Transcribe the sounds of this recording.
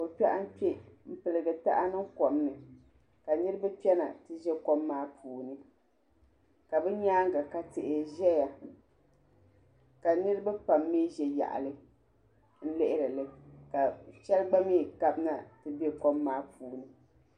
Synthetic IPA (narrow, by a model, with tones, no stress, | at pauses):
o˨pʲɛ˦ʔa˦m˦pɛ˦m̩˦pɨ˨lɨ˨ɡɨ˨ta̰˦ʔa˦nɨ˦ŋkɔ˨mnɨ˨ | ka˨nɨ˦ɾɨ˦ba˦pi˦ɛ˦na̰˨tɨ˦ʒɛ˦ko˦mːaː˦pʰuː˨nɨ˦ | ka˨bɛ˦ɲaː˦ŋ˦ɡa˨ka˨tɪ˨ʔɪ˨ʒɛ˦ja˨ | ka˨nɨ˦ɾɨ˦ba˦pa˨mːiː˦ʒɛ˨ja̰˨ʔa̰˨lɨ˦ | n̩˦lɪ˦ʔɪ˦ɾɨ˨lɨ˦ka˨t͡ʃɛ˦lɡ͡ba˦mi˦˨ka˦bna˦tɨ˦bɛ˦ko˦mːaː˦pʰuː˨nɨ˦